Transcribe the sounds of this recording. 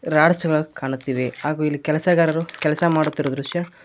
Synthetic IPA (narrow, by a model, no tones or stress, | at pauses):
ɾaːɽɐsɐɡɐɭɐkaːɳut̪ːiːʋehaːɡuilːikɛlɐsɐɡaːɾɐɾukɛlɐsɐmaːɽut̪ːiɾod̪ɾuʂjɐ